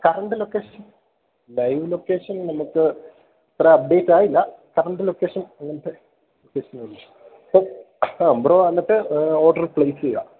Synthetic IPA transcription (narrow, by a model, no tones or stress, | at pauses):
kɐrɐɳɖɨlo̞kːeːʂɐn | lɐjʋlo̞kːeːʂɐnnɐmukːɨ | ɐt̪ːrɐɐp̚ɖeːtːaːjilːɐkɐrɐɳɖɨlokːeːʂɐnɐŋːɐnɐʈːe | lokːeːʂɐnʋɐlː | ɐpːo | broːʋanːɐʈːɨoːrɖɐrpɭejsija̰ː